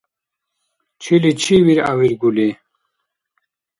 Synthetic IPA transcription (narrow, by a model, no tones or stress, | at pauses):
t͡ɕʰilit͡ɕʰiwiɾa̰wiɾɡuli